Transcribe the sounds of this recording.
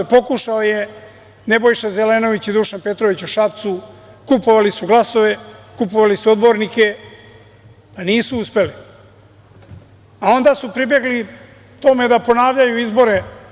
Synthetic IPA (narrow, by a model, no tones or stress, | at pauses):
po̞kuʃaoje̞ | ne̞bojʃaze̞leno̞ʋit͡ɕid̪uʃanpe̞t̪ɾo̞ʋit͡ɕuʃapt̪su | kupo̞ʋalisuɡlˠaso̞ʋe̞kupo̞ʋalisuo̞d̪bo̞ɾnike̞ | paniːsuuspe̞li | ao̞nd̪asupɾibje̞ɡli | t̪o̞me̞d̪apo̞naːʋʎajuizbo̞ɾe